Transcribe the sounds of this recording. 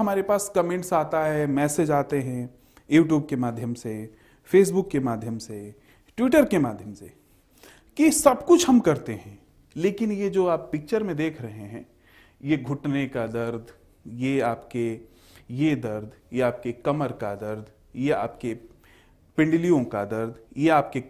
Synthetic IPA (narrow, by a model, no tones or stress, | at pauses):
ɦɐmaːɾepaːskɐmẽːɳʈsaːt̪aɦɛmɛːsed͡ʒaːt̪eɦɛ̃ | juːʈ̬juːb̚kemaːd̪ʱjəmse | feːs̬bʊkːemaːd̪ʱjəmse | ʈwɪʈəɾkemaːd̪ʱjəmse | kisɐbkʊt͡ʃʰɦɐmkɐɾt̪eɦɛ̃ː | leːkɪnjed͡ʒoːaːpːɪk̚t͡ʃəɾmẽd̪eːkʰɾɐɦeɦɛ̃ː | jeɡʱʊʈnekad̪ɐɾd̪ʱ | jeaːpke | jed̪ɐɾd̪ʱjeaːp̚kekɐməɾkad̪ɐɾd̪ʱ | jea̰ːpke | pɪ̃ɳɖɪlijõkad̪ɐɾd̪jeaːpke